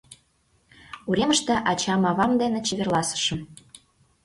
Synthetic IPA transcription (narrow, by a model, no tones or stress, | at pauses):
uɾʲeməʃt̪eʔɑt͡ɕɑmɑβɑmd̪enet͡ɕeβerlɑsə̥ʃə̆m